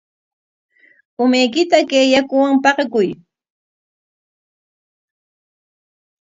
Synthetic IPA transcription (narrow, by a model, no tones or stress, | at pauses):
ʊmajkɪt̪akejakʊwaŋpɑqkʊj